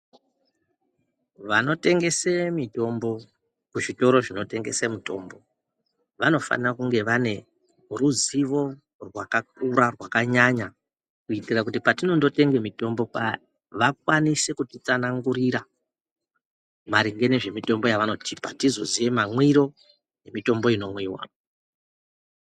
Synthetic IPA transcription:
ʋano̞te̞ŋɡe̞semito̞mbo̞ | kuʐito̞ɾo̞ʐino̞te̞ŋɡe̞semito̞ːmbo̞ | ʋano̞fa̰nirakuŋɡeʋane̞ | ruziʋo̞ | rwakak̚uɾarwakaɲaɲa | kuitirak̬ut̬ipatino̞ndo̞te̞ŋɡe̞mito̞mbo̞pa | ʋak̚wanise̞kutit͡sanaŋɡuɾiɾa | maɾiŋɡeneʐe̞mito̞mbo̞jaʋano̞tiːpatizo̞zijemamwiɾo̞ | je̞mito̞mbo̞ino̞mwiːwa̰

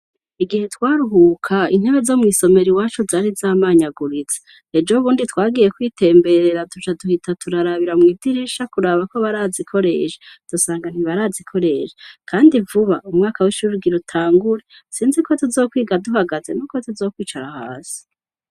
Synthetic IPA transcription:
iɡihe̞twaːɾuɦukʰaḭn̥heβe̞zo̞mŋiːso̞me̞ɾiwaːt͡ʃozaːɾizaːmaːɲaɡuɾit͡se̥ | ed͡ʒouβuːnditwaːɡiːje̞kwiːtʰe̞ːmbe̞ɾe̞ɾatut͡ʃaduhitʰatʰuɾaɾaβiɾamŋiːdiɾiʃakuɾaːβako̞βaɾaːzikʰo̞ɾe̞̰ːʃe̥d̥usaːŋɡan̥hiβaɾaːzikʰo̞ɾe̞ʃekʰaːndivuβaumŋaːkawiʃuɾɡiɾutʰaːŋɡuɾesiːnzekʰo̞tuzo̞ːkwiːɡaduɦaɡazenuko̞tuzoːkwiːt͡ʃaɾaha̰ːsi̥

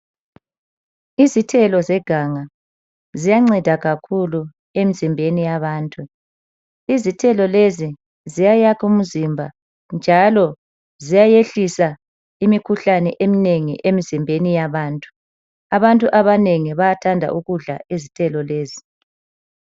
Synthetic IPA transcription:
izitʰɛlɔzɛɡ̥ʱaŋa | zijaŋ͡ǀɛd̥ʱaɣakʰulu | emizimbʱenijaβaːntʼu | izitʰɛlɔlezi | zijajakʰum̩zimbʱa̰ | nd͡ʒʱalɔ | zijajeɬisa | imikʰuɬanɛ̰ʔemineŋiʔemizimbʱenijaβaːntʼu̥ | aβantʼuʔaβaneŋiβajatʰandʱa̰ʔuɣuɮa̰ezitʰɛlɔleːzi

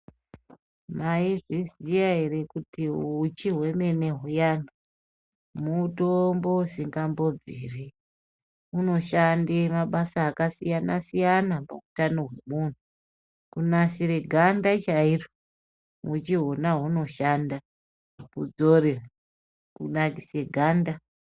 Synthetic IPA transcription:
maiʐizijaɦere̞kutiut͡ʃiɦwe̞me̞ne̞ɦujanu | mutombousiŋɡambo̞b͡viːri | uno̞ʃandemaɓasaːkasijanasijanapa̰utanoɦwe̞muːn̤u | kunaʃiɾeɡʱandat͡ʃairo | ut͡ʃiɦo̞naɦuno̞ʃaːnda | kud͡zo̞rea | kunakise̞ɡʱaːnda

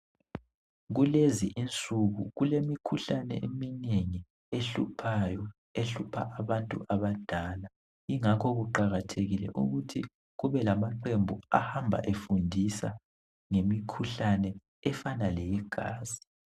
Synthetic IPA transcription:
ɣuleziʔint͡sʼuɣṵɣulemikʰuɬanɛ̰emineŋi | eɬṵpʰajɔ | eɬupʰa̰ʔaβantʼuʔaβad̥ʱaːla | iŋakʰɔɣuǃaɣatʰeɣilɛ̰ʔṵɣutʰi | ɣuβɛlamaǃembʱua̰hambʱa̰ʔefundʱisa̰ | ŋemikʰuɬanɛ | ɛfanalɛjɛɡ̥ʱa̰ːzi̥

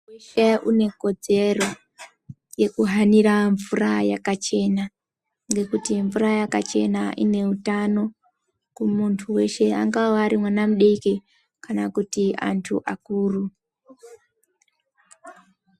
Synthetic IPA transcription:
eʃeune̞ko̞d͡ze̞ro̞ | je̞kuɦaniɾaɱvurajakat͡ʃe̞na | ŋɡe̞kutiɱvurajakat͡ʃe̞̰naʔḭne̞utano̞ | kumuntʰuwe̞ʃe̞a̰ŋɡaoaɾimwanamuɗeki | kanakutia̰ntʰṵʔakuːru

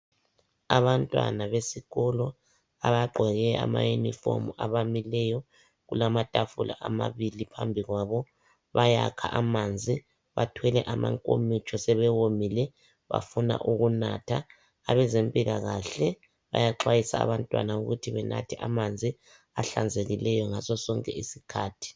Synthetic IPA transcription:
aβantʼwa̰naβesiɣɔlɔ | aβaɡ͡ǃʱɔɣɛa̰majunḭfo̰muaβamilɛjɔ | ɣulamatʼafulʔa̰ʔama̰βilipʰambʱiɣwaβɔ | βajakʰa̰ʔamand͡zʱi | βatʰwɛlɛʔama̰ŋkʼo̰mit͡ʃʰʼɔsɛβɛwomilɛ | βa̰funa̰ʔuɣuna̰tʰaː | βɛzempʼiɣaɣaɬɛ | βa̰jaǃwajisa̰ːβantʼwa̰nauɣutʰiβɛnʔa̰tʰɛʔamand͡zʱi | aɬand͡zʱeɣilɛjɔŋasɔsɔŋkʼɛisikʰaːtʰi̥

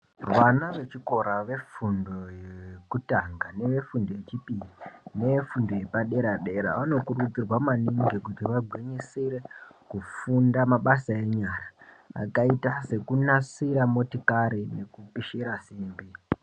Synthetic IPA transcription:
rwanaʋe̞t͡ʃiko̞ɾaʋe̞fundo̞jekutaŋɡane̞ʋe̞fundo̞je̞t͡ʃipijine̞efundo̞je̞paɗe̞ɾaɗe̞ɾa̰ʋano̞kurud͡zirwamaniŋɡekutiʋaɡʱwiɲisiɾe̞kufundamaɓasae̞ɲaːɾa | a̰kaitase̞kunasiɾamo̞tikaɾine̞kupiʃiɾasiːmbi

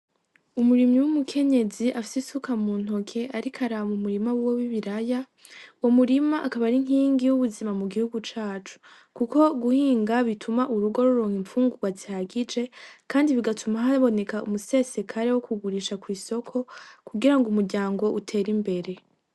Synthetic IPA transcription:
umuɾimɲiwumukʰe̞ɲe̞ziʔafi̥sisukamuːn̥o̞kʰe̞ʔaɾikʰaɾamumuɾimawuwoβiβiɾaja | wo̞muɾimaʔakaβaɾiŋ̥iːŋɡijuβuzimamuɡihuɡut͡ʃaːt͡ʃu̥ | kuko̞ɡuhiːŋɡaβitʰumaʔuɾuɡo̞ɾoɾo̞ːŋiɱfuːŋɡuɡwazihaɡid͡ʒe̞kʰaːndiβiɡatʰumaɦaβo̞ne̞kaṵmuse̞se̞kʰaɾe̞wokʰuɡuɾiːʃakwiːso̞kʰo̞kuɡiɾaŋɡumuɾɟaːŋɡo̞ʔutʰe̞ːɾimbe̞ɾe̞

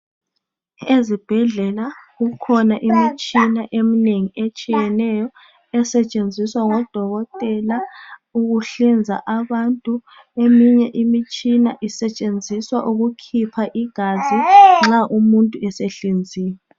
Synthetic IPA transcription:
ezib̥ʱɛɮɛlaɣukʰɔnaʔimit͡ʃʼinaʔemineŋiʔet͡ʃʼijɛnɛjɔ | ɛsɛt͡ʃʼend͡zʱiswaŋɔd̥ʱɔɣɔtʼɛlauɣuɬind͡zʱa̰ʔaβantʼu | emiɲɛʔimit͡ʃʼinaʔisɛt͡ʃʼend͡zʱiswaʔuɣukʰipʰaʔiɡ̥ʱaziŋ͡ǁaʔumuntʼuɛseɬind͡zʱiːjɛ

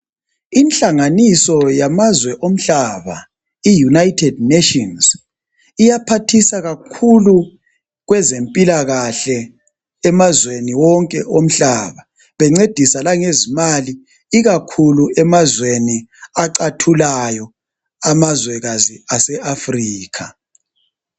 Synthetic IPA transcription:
inɬaŋanisɔjamazwɛʔom̩ɬaβa | ijunajtʰɛd̚nɛtɔnz | ijapʰatʰisaɣakʰulu | ɣwɛzempʼilaɣaɬɛː | mazweniwɔŋkʼɛʔom̩ɬaːβa | βɛŋ͡ǀed̥ʱisalaŋezimali | iɣakʰuluɛmazweniaǃatʰulajɔ | amazwɛɣaziasɛafriːkʰa

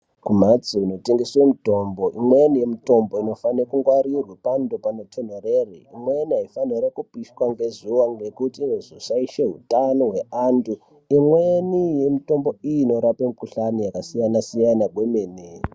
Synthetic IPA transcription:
kumat͡siuno̞te̞ŋɡeswemito̞mbo̞ʔimwenije̞mito̞mbo̞ino̞fanekuŋɡwaɾirwipando̞panotʰonoreriimweniɦaifaniɾakupiʃkwaŋɡe̞zuwaŋɡe̞kutinezosaiʃeɦutanoɦwe̞ʔandu | imwenije̞mito̞mbo̞ijino̞ɾapemukuɬanijakasijanasijanaɡwemeːne

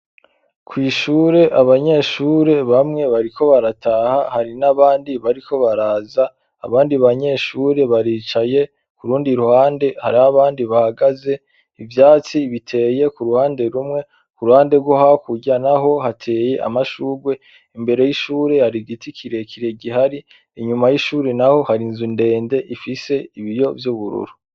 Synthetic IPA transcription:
kʰwiːʃuːɾe̞ʔaβaɲe̞ʃuːɾe̞βamŋe̞βaɾikʰo̞βaɾatʰahahaɾinaβaːndiβaɾikʰo̞βaɾaːza̰ː | βaːndiβaɲe̞ːʃuːɾe̞βaɾiːt͡ʃaje̞ | kuɾuːndiɾuhaːnde̞haɾiaβaːndiβahaɡaze̞ | ivjaːt͡siβitʰe̞ːje̞kuɾuhaːnde̞ɾumŋe̞ | kuɾuhaːnde̞ɡwohakuɟanaɦo̞hatʰe̞ːje̞ʔa̰maʃuːɡwe̞ | imbe̞ɾe̞jiʃuːɾe̞haɾiɡitikʰiɾe̞kʰiɾe̞ɡihaɾiː | ɲumajiʃuːɾenaho̞haɾinzunde̞ːnde̞ʔifise̞iβijo̞vjuβuɾṵɾu

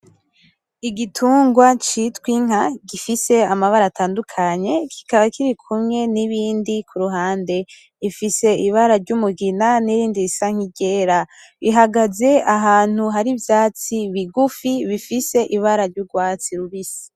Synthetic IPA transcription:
iɡitʰuːŋɡwat͡ʃitwiŋ̥aɡifise̞amaβaɾataːndukʰaɲe̞kʰi̥kaβakʰiɾikʰumŋe̞niβiːndikʰuɾuɦaːnde̞ | ifise̞iβaɾaɾɟumuɡinaniɾiːndiɾisaŋ̥hiɟe̞ːɾa | βiɦaɡaze̞aɦaːn̥huɦaɾivjaːt͡siβiɡufiβifise̞ʔiβaɾaɾɟuɡwaːt͡siɾuβisi̥

